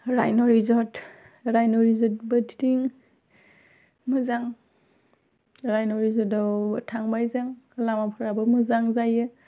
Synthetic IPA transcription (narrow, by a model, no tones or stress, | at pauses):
ɾa̰jnɔɾizɔt | ɾajnɔɹizɔt̚bətʰidiŋ | mɯzaŋ | ɾajnɔɹizɔdawtʰaŋbajzaŋlamapʰɯɾabɯmɯzaŋzajɯ